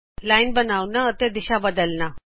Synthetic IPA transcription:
lainbənawnaət̪ed̪iɕabəd̪əlna

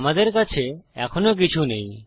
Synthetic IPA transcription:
mad̪eɾk̬at͡ɕʰeɛkʰonok̬it͡ɕʰunẽj̃

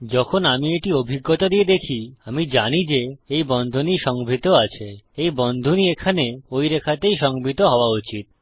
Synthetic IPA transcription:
d͡ʑɔkʰonamieʈiobʱiɡːot̪od̪ied̪ekʰiamid͡ʑanid͡ʑeejbɔnd̪ʱoniʃɔŋbʱit̪oat͡ɕʰeejbɔnd̪ʱoniekʰaneojɾekʰat̪ejʃɔŋbʱit̪oɦɔoaut͡ɕit̪̚

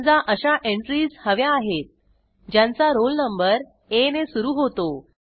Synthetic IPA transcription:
d͡zaʔəɕaʔeɳʈɾiːshəʋjaːɦet̪̚ | d͡ʑjãnt͡saɾolnəmbəɾ | enesuɾuːɦot̪o

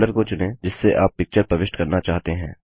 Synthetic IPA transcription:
ləɾkot͡ʃʊnẽd͡ʒɪsːeʔaːpːɪk̚t͡ʃəɾpɾɐʋɪʃʈkɐɾnat͡ʃaːɦt̪eɦɛ̃ː

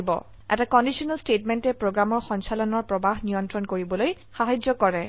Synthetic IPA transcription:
bɔ̰ | ʔɛ̰takɔndisɔnalstetmɛntɛpɹoɡɹamɔɹxɔnsalɔnɔɹpɹɔbaɦnijɔntɹɔnkoɹibɔloj | xaɦazzɔkɔɹɛ

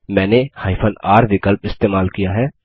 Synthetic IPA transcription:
mɛ̃ːnehaːɪpʰənaːɾʋɪkəlpɪst̪eːmaːlkijaɦɛː

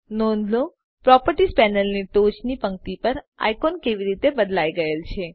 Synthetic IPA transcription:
nonlo | pɾɔpəɾʈispɛnəlniʈot͡ʃnipəŋ̚t̪ipəɾ | a̰jkonkeʋiɾit̪ebəd̪laiɡəelt͡ʃʰe

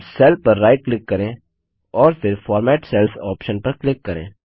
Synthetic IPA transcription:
sɛːlpɐɾːaːɪʈ̚klɪkːɐɾẽː | ɔːɾfʰɪɾfʰɔːɾmɛːʈsɛlfʰɔːpʃənpɐɾklɪkːɐɾḛ̃ː

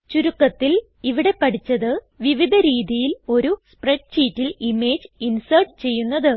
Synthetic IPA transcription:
t͡ɕuɾukːɐt̪ːil | iʋiɽe̞pːɐʈit͡ɕːɐðɨ | ʋiʋid̪ʱɐɾiːðijilo̞ɾuspreʂɕiːtːilime̞ːd͡ʑinsɐrʈt͡ɕe̞jːunːɐðɨ

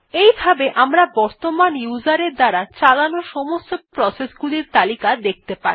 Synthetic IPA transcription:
ejbʱabeʔʔamɾabɔɾt̪omanjud͡ʑaɾeɾd̪aɾat͡ɕalanoʃɔmost̪opɾɔsesɡuliɾt̪alikad̪ek̚t̪epa̰ɾ

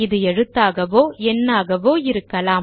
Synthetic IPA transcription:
ɪðɯɛɻɯt̪ːaːɣɐʋoːɛnːaːɣɐʋoːɪɾɯkːɐlaː

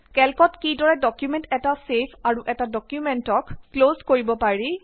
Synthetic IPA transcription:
kɛlkɔtkidɔɹɛdɔkjumɛntɛtasepʰaɹuʔɛtadɔkjumɛntɔkklozkoɹibɔpaɹi

